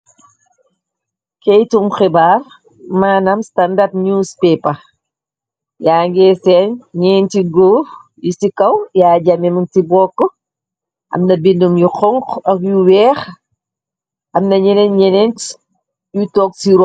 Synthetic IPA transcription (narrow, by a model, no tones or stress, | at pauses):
kɛjtumxibar | maːnɐmstandɐp̚nuːspɛːpɐ | jaːŋɡɛːsɛːnɲɛːntiɡoːf | jisikɐwjaːɟamɛmiŋtibɔːkːɔ | ʔɐ̰mnɐbindumjuxɔŋkɐkjuwɛːx | ʔɐmnɐɲɛnɛnɲɛnɛnt | jutɔːk̚siɾɔ